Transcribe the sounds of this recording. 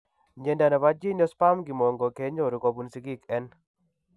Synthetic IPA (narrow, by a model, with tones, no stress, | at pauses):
ɲe˨nda˨na˨ba˦d͡ʒi˦nɔ˦spa˦mɡɪ˨mɔ˨ŋɡɔ˨ke˦ɲo˦˨ɾu˨ko˨bu˨˦nsi˨˦ɡi˦kɛ˦n